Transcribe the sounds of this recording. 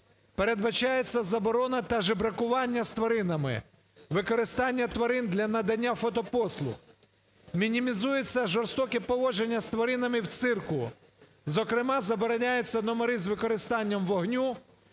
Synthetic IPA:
pe̞ɾe̞d̪bɐt͡ʃajet͡sʲːɐzɐbɔɾɔnɐt̪ɐʒebɾɐkʊʋɑnʲːɐst̪ʋɔɾɪnɐmɪ̰ | ʋɪkɔɾɪst̪ɑnʲːɐt̪ʋɐɾɪnd̪lʲɐnɐd̪ɐnʲːafɔt̪ɔpɔslˠʊ̰x | mʲinʲimʲizujet͡sʲːɐʒɔrst̪ɔkɛpɔʋɔʒenʲːɐst̪ʋɐɾɪnɐmɪwt̪sɪrkʊ | zɔkɾɪmɑzɐbɔɾɔnʲajet͡sʲːɐnɔmɔɾɪzʋɪkɔɾɪst̪ɑnʲːɐmʋɔɦnʲu

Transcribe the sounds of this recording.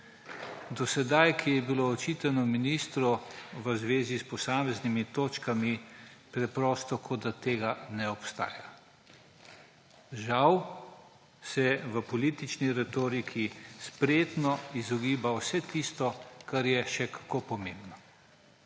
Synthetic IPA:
d̪ɔsɛd̪ajkʰijɛbiloːt͡ʃiːt̪anɔminist̪ɾɔʋəzʋeːzispɔsaːmɛznimit̪oːt͡ʃkamipɾɛpɾɔst̪ɔkʰod̪at̪eːɡanɛɔpst̪a̰ːja | ʒaw | sɛʋəpɔliːt̪it͡ʃniɾɛt̪oːɾikʰispɾeːt̪nɔizɔɡiːbawsɛt̪ist̪ɔkaɾjɛʃɛkḁkopɔmẽmbnɔ

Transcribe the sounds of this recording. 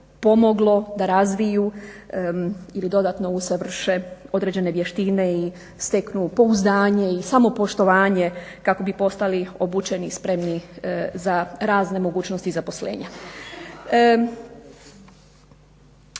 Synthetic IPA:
po̞mo̞ɡlˠo̞d̪aɾazʋiju | ilid̪o̞d̪at̪no̞usaʋr̩ʃeo̞d̪ɾe̞d͡ʑe̞ne̞ʋje̞ʃt̪ine̞i | st̪eknupo̞uzd̪aːɲe̞isamo̞po̞ʃt̪o̞ʋaːɲe̞kako̞bipo̞st̪alio̞but͡ʃe̞nispɾe̞mnizaɾaːzne̞mo̞ɡuːt͡ɕnost̪izapo̞sle̞̰ːɲa

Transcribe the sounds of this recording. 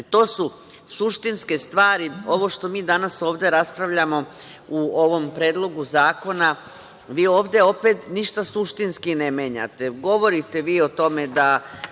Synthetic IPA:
t̪o̞ːsu | suʃt̪inske̞st̪ʋaːɾio̞ʋo̞ʃt̪o̞miːd̪anaso̞ːʋd̪e̞ɾaspɾaʋʎamo̞ | uo̞ʋo̞mpɾeːd̪lˠo̞ɡuzaːko̞na | ʋiːo̞ːʋd̪eo̞peːt̪niʃt̪asuʃt̪inskinemeːɲa̰t̪e̞ɡo̞ʋo̞ɾit̪e̞ʋiːot̪o̞me̞d̪a

